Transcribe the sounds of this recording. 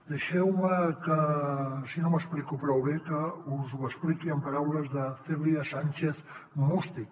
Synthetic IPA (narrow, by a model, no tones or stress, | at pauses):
d̪əʃɛwməkəsinoməsplikupɾɔwβekəuzwəsplikiəmpaɾawləzðəfeβɾiasanʲt͡ʃeθ | must̪i